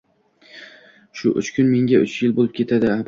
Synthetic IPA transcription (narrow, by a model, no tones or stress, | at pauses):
ʃʊʔʊ̰t͡ʃkʲʰʊnme̞ŋɡʲaʊ̰t͡ʃjɪlbolˠɪp̚kʲʰe̞t̪ʰad̪ɪab